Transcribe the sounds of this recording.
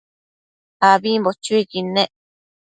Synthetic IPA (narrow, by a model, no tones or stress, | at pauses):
aβimbot͡ʃuikinẽʔ